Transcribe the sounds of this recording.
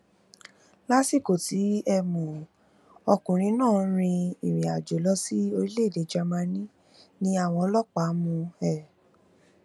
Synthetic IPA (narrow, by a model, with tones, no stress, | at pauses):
la˦si˦˨ko˨ti˨˦ɛ˧mũ˨ | ɔ˧kũ˨ɾ̃ĩ˧˦nãː˦˨˦ɾ̃ĩ˧i˨ɾ̃ĩ˨a˨d͡ʒo˨lɔ˦si˦o˧ɾi˦le˦˨de˨˦d͡ʒa˧mã˧nĩ˦ | nĩ˦a˦˨w̃ɔ̃˧ɔ˧lɔ˦k͡pa˨˦mũ˧ɛ˦˨